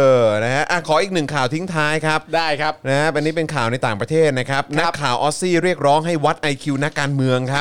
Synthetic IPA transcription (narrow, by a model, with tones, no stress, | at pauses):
ʔɤː˧˩na˦˥kʰa˦˥ʔa˧˩kʰɔː˩˦ʔiː˨˩k̚nɯ˨˩ŋkʰaː˨˩wt̪ʰi˦˥ŋt̪ʰaː˦˥jkʰa˦˥p̚daː˥˩jkʰa˦˥na˦˥a˧nːiː˦˥pe˧nkʰaː˨˩wna˧jt̪aː˨˩ŋpɾa˧t̪ʰeː˥˩t̪̚na˦˥kʰa˦˥p̚na˦˥kʰːaː˨˩wʔɔː˦˥siː˥˩ɾi˥˩ək̚ɾɔː˦˥ŋɦa˥˩jwa˦˥t̪̚ʔa˧jkʰi˧na˦˥kːaː˧nmɯ˧əŋkʰa˦˥p